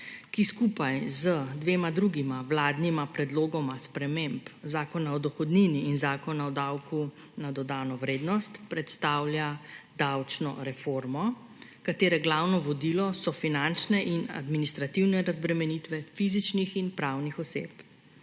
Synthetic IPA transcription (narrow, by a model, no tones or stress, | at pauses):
kiskupajzəd̪ʋeːmad̪ɾuɡimawlaːd̪nimapɾɛd̪loːɡɔmaspɾɛmempzaːkɔnaɔd̪ɔxɔd̪niːniːnzaːkɔnaɔd̪awku | nad̪ɔd̪aːnɔʋɾeːd̪nɔst̪pɾɛt̪st̪aːwlʲjad̪awt͡ʃnɔ̰ɾɛfoːɾmɔ | kat̪eːɾɛɡlaːwnɔʋɔd̪iːlɔsɔfinant͡ʃnɛʔina̰d̪minist̪ɾat̪iwnɛɾazbɾɛmɛnit̪ʋɛfiːzit͡ʃnixinpɾaːwnixɔsḛːp